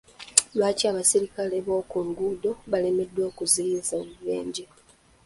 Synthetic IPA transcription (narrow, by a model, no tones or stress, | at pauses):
lwaːciaβasiɾikale̞βo̞ːkuŋɡudo̞βale̞me̞dːwoːkuziɾizomuβḛːɲɟe